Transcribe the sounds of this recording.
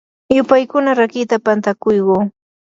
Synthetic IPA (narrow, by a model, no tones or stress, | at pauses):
jʊpajkʊnaɾakɪt̪apant̪akʊjɢoː